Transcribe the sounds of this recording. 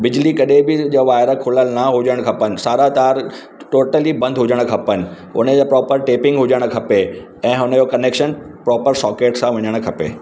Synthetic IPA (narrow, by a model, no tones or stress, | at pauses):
bɪd͡ʑlikɐɗẽbɪd͡ʑoʋaːɪɾəkʰʊləlnaɦʊd͡ʑəɽ̃kʰɐpənɪ̆saːɾat̪aːɾ | ʈoːʈəlibɐ̃nd̪ɦʊd͡ʑəɽ̃kʰɐpənɪ̆ | ʊ̰nəd͡ʑapɾɔːpəɾʈeːpɪ̃ŋɡɦʊd͡ʑəɽ̃̆kʰɐpe | ɛ̃ːʊnəd͡ʑokɐneːkʃənpɾɔːpəɾsɔːkeːʈsãʋɐɲəɽ̃̆kʰɐpḛː